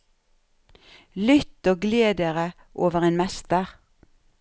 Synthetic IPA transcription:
lʏt̪oːɡleːd̪əʁə | ʔoːʋəʁeːnmɛst̪əʁ

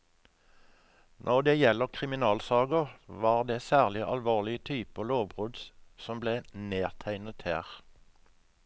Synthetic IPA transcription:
nʔɔʁd̪eːjɛləʁkʰʁɪmɪnɑːlsɑːɡəʁʋɑːʁd̪eːsæːʁlɪʔɑlʋoːʁlɪət̪ʰyːpəloːʋbʁʉd̪ssɔmbleːneːʁt̪ʰæɪnət̪hḛːʁ

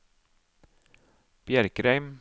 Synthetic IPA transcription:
b̥jæɾkɾɛɪm

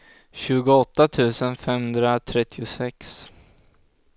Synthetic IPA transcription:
ɕʉ̟ːɡʊɔt̪ːat̪ʰʉ̟ːsənfɛmhɵnd̪ɾat̪ʰɾɛt̪ʰːɪʊsɛks

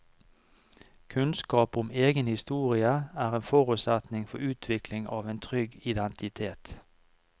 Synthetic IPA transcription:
kʰʉnskɑːpʊmeːɡənhɪst̪uːʁɪəæːʁeːnfɔʁʉsæt̪nɪŋfɔʉːt̪ʰʋɪklɪŋʔɑ̰ːʋeːnt̪ʰʁʏɡɪd̪ɛnt̪ɪt̪ʰeːt̪

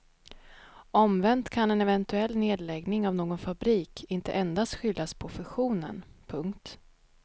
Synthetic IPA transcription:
ɔmvɛnt̪kʰanɛnɛvɛnt̪ɵɛlːneːd̪lɛɡnɪŋavnoːɡɔnfabɾiːkʰɪnt̪əʔɛnd̪ast̪ɧʏld̪aspʰɔfɵɧuːnə̰npʰɵŋkt̪

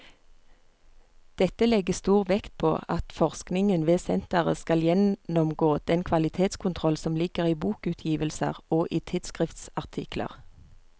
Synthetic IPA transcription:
d̪̥ɛt̪əlɛɡəst̪uːʁʋɛkt̪̚pʰo̰ːɑt̪fɔʁsknɪŋənʋeːsɛnt̪əʁə̰skɑljɛnɔmɡoːd̪̥ɛnkʰʋɑlɪt̪ʰeːt̪skʰʊnt̪ʰʁɔlsɔmlɪkəʁiːbuːkʉːt̪ʰjiːʋəlsə̰ʁoːʔiːt̪ʰɪd̪skʁɪft̪sɑʁt̪ʰɪklə̰ʁ

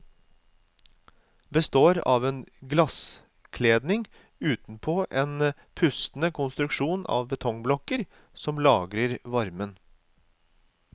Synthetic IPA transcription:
bəst̪oːɾɑ̰ːʋeːnɡlɑs | kʰleːd̪nɪŋ | ʉːt̪n̩pʰoːʔeːn | pʰʉst̪n̩əkʰʊnst̪ɾʉkʃuːnʔɑ̰ːʋbət̪ʰɔŋblɔkəɾ | sɔmlɑːɡɾəɾʋɑɾmən

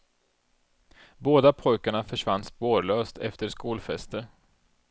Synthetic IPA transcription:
boːd̪apʰɔjkaɳafœʂvand̪spoːɾɭøːst̪ɛ̰ft̪əɾʂkuːlfɛst̪ə

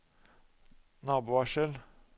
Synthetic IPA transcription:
nɑːbuːʋɑʃəl

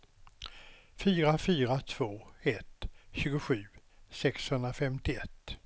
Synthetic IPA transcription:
fyːɾafyːɾat̪ʰv̥oːɛt̪ɕʉ̟ːɡʊɧʉ̟ː | sɛkshɵnd̪ɾafɛmt̪ɪɛt̪ː

